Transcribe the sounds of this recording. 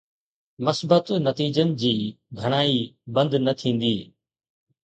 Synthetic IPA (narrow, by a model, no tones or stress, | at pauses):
mɐsbət̪nɐt̪iːd͡ʑənɪ̆d͡ʑiː | ɡʱɐɽ̃aːibɐ̃nd̪nɐt̪ʰĩːn̆d̪iː